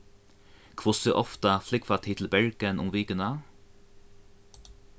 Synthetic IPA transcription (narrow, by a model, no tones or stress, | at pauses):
kʰʋʊsəʔɔft̪ɑflɪkfɑt̪ʰɪt̪l̩bɛɹɡənʊ̰mʋiːɡənɑ